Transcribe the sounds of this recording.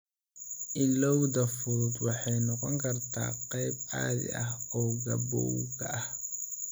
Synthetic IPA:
ʔɪlɔwdɐfʊɾʊd̪wɑħɑjnɔqɔŋkʰɐrt̪ʰa̰ːqɛjba̰ːðɪ̰ɐhɔːɡɐbɔ̰kɐʔɐh

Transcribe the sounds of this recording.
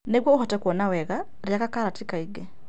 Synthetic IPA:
nɛɡwɔuhɔtɛkwɔnawɛɣa | ɾjakakalatikaiɡɛ

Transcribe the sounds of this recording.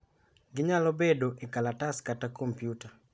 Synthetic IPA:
ɡɪɲalɔbedoʔikalataskatakompjuta

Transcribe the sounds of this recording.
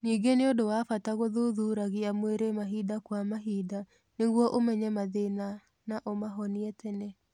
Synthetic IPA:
niːɡeneodowafataɣoðuðuɾaɣiamweɾemaɦidakwamaɦida | neɣwɔʔomɛɲɛmaðena | naʔomaɦɔniɛtʰɛnɛ

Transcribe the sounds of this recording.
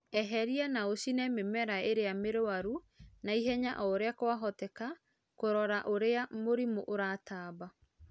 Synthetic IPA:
ɛɦɛɾianaosinɛmemɛɾaeɾeameɾowaɾu | naiɦɛɲaʔɔoɾeakowaɦɔtɛka | koɾɔɾaʔoɾeamoɾimoʔoɾaːtaːba

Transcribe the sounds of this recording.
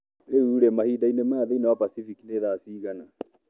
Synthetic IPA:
ɾeuːɾɛmahidainemaːðeinawapasifikineðasiːɣana

